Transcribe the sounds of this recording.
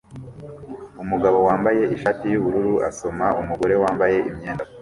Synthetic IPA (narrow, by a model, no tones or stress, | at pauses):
umuɡaβo̞waːmbaje̞ʔiʃatijuβuɾuɾuʔa̰so̞maʔumuɡo̞ɾe̞waːmbaje̞ʔimɲeːnda